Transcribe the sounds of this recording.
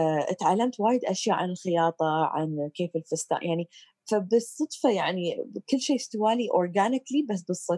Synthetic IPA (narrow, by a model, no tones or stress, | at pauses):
ʔɪt̪ʕalːamt̪waːjɪd̪ʔaʃjaːʕanɪlxɪjɑːt̪ˤɑʕa̰nkeːfɪlfʊst̪a̰ːʔjaʕni | fabɨsˤːɑd̪fɑjaʕnikɪlːʃeːst̪ɪwaːliʔoɾˤɡaːnɪklibas̬bɨsˤːɨ